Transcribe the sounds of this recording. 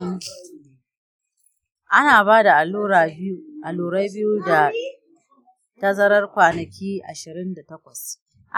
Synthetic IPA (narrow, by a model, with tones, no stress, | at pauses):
ʔa˦naː˨baː˦da˨˦˨ʔa˨luː˨ɾa˦jbɪ˦ju˦da˨ | tɐ˦zɐ˦ɾɐ˦rkʷaː˨nɐ˨kʲiː˦ʔa˨ʃɪ˨ɾɪ˦nda˨tɐ˦kʷɐ˨s | ʔa˦